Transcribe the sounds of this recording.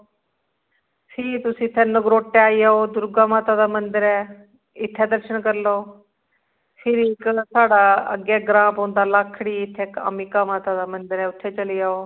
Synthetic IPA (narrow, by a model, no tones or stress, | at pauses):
fʰit̪ʊsĩɪt̪ʰːɛ̃nəɡɾoːʈːeaːiaːod̪ʊɾɡamaːt̪ad̪amənd̪ɪɾɛː | ɪt̪ʰːɛd̪əɾʃəɳkəɾlo | fʰiɾiksaːɽaə̰ɡɛɡɾãːpɦõːnd̪alakʰɽiːɪt̪ʰːeka̰mikamaːt̪ad̪amɐnd̪ɪɾɛʊt̪ʰːɛt͡ʃəliaːoː